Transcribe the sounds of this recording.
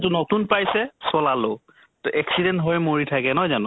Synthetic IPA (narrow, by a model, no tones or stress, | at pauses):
tunotunpajsɛsɔlalo | tʊʔɛksidɛntɦɔjmoɹitʰakɛnɔjzanʊ̃